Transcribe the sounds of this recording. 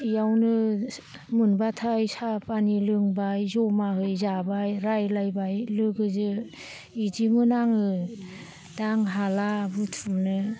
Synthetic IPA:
ijawnɯ | mɯnbatʰajsapanilɯŋbajzɔmaɦɯjzabajɾajlajbajlɯɡɯzɯ | idimɯnaŋɯ | daŋɦalabutʰumnɯ

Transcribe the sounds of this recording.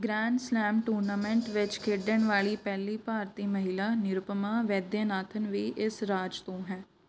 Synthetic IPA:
ɡɾɛːɳɖslɛːmʈuːɾnaːmɛ̃ɳʈʋɪt͡ʃkʰeːɖəɳʋaːɭiːpɛːliːpaːɾt̪iːməɦɪlaːnɪɾʊpəmaːʋɛːd̪jaːnaːt̪ʰənʋiːʔɪsɾaːd͡ʒt̪õːɦɛː

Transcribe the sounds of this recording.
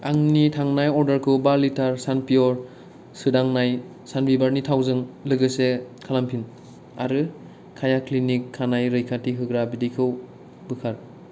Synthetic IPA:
aŋnitʰaŋnajɔɾdaɾkʰɯbalitaɾsanpijɔɾ | sɯdaŋnaj | sanbibaɾnitʰawzɯŋlɯɡɯse | kʰalampʰin | a̰ɾɯ | kʰajaklinikʰːanajɾɯjkʰatiɦɯɡɾabidikʰɯw | bɯkʰaɾ

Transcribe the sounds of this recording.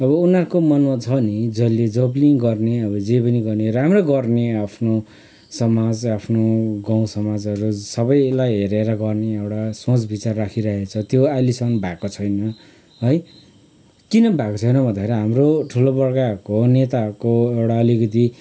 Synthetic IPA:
ʌβʌunaɾukomʌnmʌt͡sʰʌnid͡zʌlːed͡zʌbliŋɡʌrneʌbʌd͡zepʌniɡʌrneɾamroɡʌrneapʰno | sʌmad͡zapʰnoɡãw̃sʌmad͡zʌɾusʌbʌjlajɦeɾeɾʌɡʌrneewɽasõt͡sbit͡sarːakʰiɾʌɦet͡sʰʌt̪joalisʌŋŋbʱakot͡sʰʌjnʌ | ɦʌj | kinʌbʱakot͡sʰʌjnʌbʱʌnd̪aeɾiɦamroʈʰulobʌɽkaʌɾukonet̪aʌɾkoewɽaʌlikʌt̪̬i

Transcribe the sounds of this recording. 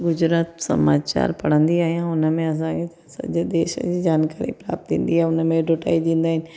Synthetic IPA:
ɡʊd͡ʑɾaːt̪sɐ̰maːt͡ɕa̰ːɾpɐɽ̤ə̃nd̪iaːɦijãʊnəmẽɐs̬ãkʰe | sɐ̰d͡ʑd̪eːʃə̰d͡ʑiːd͡ʑaːnkaːɾḭpɾa̰ːp̚t̪ḭ̃ːn̆d̪iaːɦeʊnəmẽɖʱoʈa̰ːid̪ĩːn̆d̪aːɦɪnɪ̆

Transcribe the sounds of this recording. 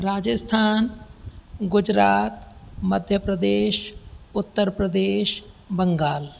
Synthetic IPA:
ɾaːd͡ʒəst̪ʰaːn | ɡʊd͡ʒɾaːt̪mɐd̪ʱjəpɾəd̪eːʃʊt̪ːəɾpɾəd̪eːʃ | bɐ̃ŋɡaːl

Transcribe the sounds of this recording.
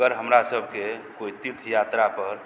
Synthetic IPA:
əɾɦəmɾasəbʱkekoit̪iɾt̪ʰjat̪ɾapəɾ

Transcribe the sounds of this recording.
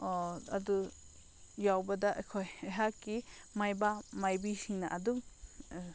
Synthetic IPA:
ɔad̪u | jawbəd̪aʔkʰɔjɛɦaki | majbamajbisinaʔad̪u

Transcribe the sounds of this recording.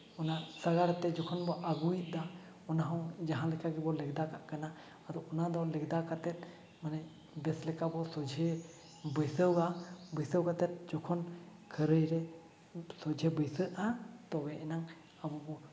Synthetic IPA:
ɔnasaɡaɽt̪ɛd͡ʒɔkʰɔnbɔʔaɡuit̪̚ˀd̪a | ɔnaɦɔ̃wd͡ʒaɦãlɛkaɡɛbɔlɛɡ̚d̪akaʔkana | ad̪ɔɔnad̪ɔlɛɡd̪akat̪ɛt̪̚ | manɛ | bɛslɛkabɔsɔd͡ʒʱɛ | bəjsəwɡabəjsəwkat̪ɛt̪̚d͡ʒɔkʰɔnkʰəɾəjɾɛ | sɔd͡ʒʱɛbəjsəʔat̪ɔɡɛʔɛnaŋ | abɔbɔ

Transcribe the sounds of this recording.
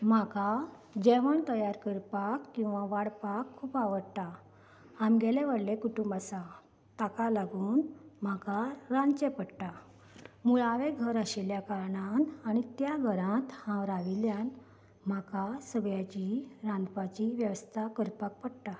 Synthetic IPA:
m̤aka | d͡ʑɛʋəɳt̪əjaɾkəɾpakːĩw̃ʋaʋaɽpakʰːuːpaʋəɽt̪a | amɡɛleʋəɽlekuʈumbasa | t̪akalaɡuːnm̤akaɾãnt͡ɕepəɽʈ̪a | muɭaʋeɡʱəɾəɕeljakaɾɳanaɽ̃it̪jaɡʱəɾãt̪hãwɾaʋiljãn | m̤akasəɡjat͡ɕiɾãnd̪pat͡ɕiʋjəʋəst̪ʰakəɾpak̚pəɽʈ̪a

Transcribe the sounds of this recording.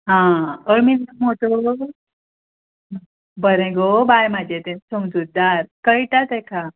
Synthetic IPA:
ɦãəɭmild̪əmɦot̪o | bəɾẽɡobajmad͡ʑʱet̪ensumd͡zud̪aɾkəjʈat̪ɛkʰa

